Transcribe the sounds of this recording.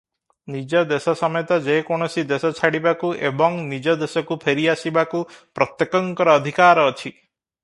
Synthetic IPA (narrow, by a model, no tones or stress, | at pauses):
nid͡ʒɔd̪esɔsɔmɔjɔt̪ad͡ʒekɔɽ̃ɔsid̪esɔt͡ʃʰaɽibakuʔebɔŋnid͡ʒɔd̪esɔkupʰeɾiasibakupɾɔt̪jekɔŋkɔɾɔːd̪ʱikaɾɔːt͡ʃʰi